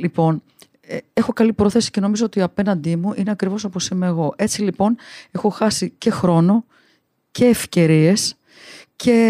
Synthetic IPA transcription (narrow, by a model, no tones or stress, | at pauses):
lipo̞n | ee̞xo̞kɐlipɾo̞θe̞si̥ce̞no̞mizo̞ot̪iɐpe̞nɐnd̪imuʔineɐkɾivo̞s̬ɐposemeːɣo̞ʔe̞t͡silipo̞ne̞xo̞xɐsice̞xɾo̞no̞ | cʰe̞ːfce̞ɾie̞s | cʰe̞